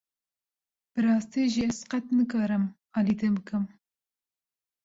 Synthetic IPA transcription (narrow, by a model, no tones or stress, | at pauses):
b̥ɨɾɑːst̪iːʒiɛzqɛt̪nɨkɑːɾɨm | ɑːlid̪ebɨkɨm